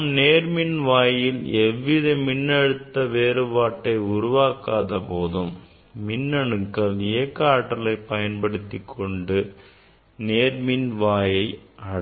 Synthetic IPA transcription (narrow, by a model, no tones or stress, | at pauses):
mneːɾmɪnʋaːjɪlɛʋːɪðɐmɪnːɐɽɯt̪ːɐʋeːɾɯpaːʈːɐɪʊɾʊʋaːkaːðɐpoːðɯmː | ɪnːɐɳɯkːɐlɪjɐkːɐaːʈːɐlɐɪpːɐjɐnpɐɽɯt̪ːikʰːɔɳɖɯ | neːɾmɪnʋaːjɐɪɐɽ